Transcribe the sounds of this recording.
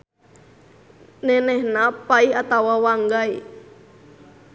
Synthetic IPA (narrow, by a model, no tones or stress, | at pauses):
nɛnɛhnapaiɦat̪awawaŋɡai